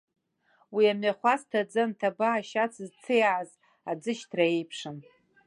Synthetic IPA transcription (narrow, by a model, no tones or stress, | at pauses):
wiamɥaχʷastʰad͡zantʰabaːʃat͡sʰɨzt͡sʰejʕaz | ad͡zɨʃtʰraejpʰʂɨn